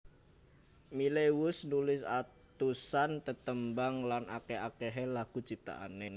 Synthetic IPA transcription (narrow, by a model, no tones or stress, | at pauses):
mileʊsnulɪsa | t̪usant̪ət̪əmbaŋlanʔakeakeɦɛlaɡ̥ṳt͡ʃip̚t̪a̰ʔa̰nen